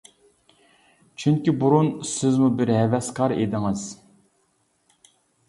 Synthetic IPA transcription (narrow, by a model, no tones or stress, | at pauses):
t͡ʃʰyŋkʲibuɾunsɪzmubɪɾɦɛvɛskɑɾḛd̪ɪŋɨz̥